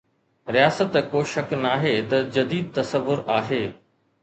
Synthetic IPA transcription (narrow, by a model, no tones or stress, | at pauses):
ɾijaːsət̪koːʃɐknaːɦeːt̪ɐd͡ʑɐd̪iːd̪̚t̪ɐsəʋːʊɾaːɦeː